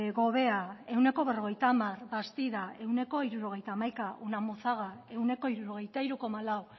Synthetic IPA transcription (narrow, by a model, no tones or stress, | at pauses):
ɣo̞β̞e̞ae̞wne̞ko̞βero̞ɣ̞e̞jt̪amarbast̪iðae̞wne̞ko̞iɾuɾo̞ɣ̞e̞jt̪amajkaʔunamoθaɣ̞ae̞wne̞ko̞iɾuɾoɣ̞e̞jt̪aiɾuko̞malaw